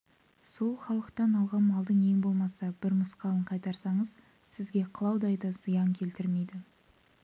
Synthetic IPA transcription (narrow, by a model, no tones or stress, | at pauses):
so̞lˠχɑlˠəqt̪ɑnɑlˠʁɑnmɑlˠd̪əɴje̞ŋbo̞lˠmɑsɑbɪɾməsqɑlˠəɴqʰɑjt̪ɑɾsɑɴəz | sɪzɡʲe̞qʰəlˠɑwd̪ɑjd̪ɑzəjɑŋkʲʰe̞lt̪ɪɾme̞jd̪ɪ